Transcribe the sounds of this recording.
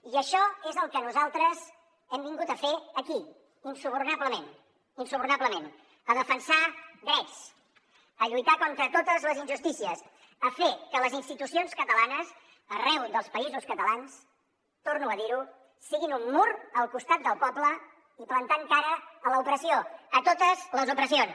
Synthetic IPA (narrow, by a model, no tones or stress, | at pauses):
iəʃɔezəlˠkənuzalˠt̪ɾəz | ɛmbiŋɡut̪əfeəki | insuβurnaβləmen | insuβurnabləmen | əðəfənsad̪ɾɛt͡s | əʎujt̪akɔnt̪ɾət̪ot̪əzləzinʒust̪isiəs | əfekələzinst̪it̪usionskət̪əlanəs | ərɛwðəlˠspəizuskət̪əlans | t̪ornuəðiɾu | sːiɣinumːurəlˠkust̪at̪̚d̪əlˠpɔblə | iplənt̪aŋkaɾəːləupɾəsioət̪ot̪əzləzupɾəsion